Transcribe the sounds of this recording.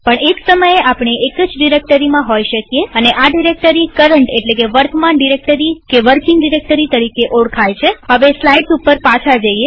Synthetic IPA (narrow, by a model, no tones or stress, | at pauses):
pəɳeksəməjeapɳ̃eʔekəd͡ʒɖiɾek̚ʈəɾimãɦojʃəkjeəneʔaɖiɾek̚ʈəɾikəɾəɳʈeʈlekeʋəɾt̪manɖiɾek̚ʈəɾikeʋəɾkiŋɡɖiɾek̚ʈəɾit̪əɾikeʔoɽkʰajt͡ʃʰeɦəʋeslaiɖsupəɾpat͡ʃʰad͡ʒəie